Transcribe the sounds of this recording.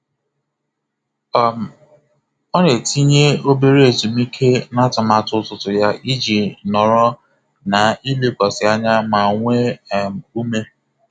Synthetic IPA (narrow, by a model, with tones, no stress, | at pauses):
m̩˨ | ɔ˦ɾe˨ti˦ɲe˦o˦be˦ɾe˦e˨zu˨mi˦kʰe˦na˦ta˨ma˨tʊ˦tʊ˨tʊ˨ja˦ʔi˦d͡ʒi˨nɔ˨ɾɔ˦ | na˨i˦le˦kɔ˨sɪ˨a˦ɲa˦ma˨ŋʷe˦˨m̩˨u˦me˦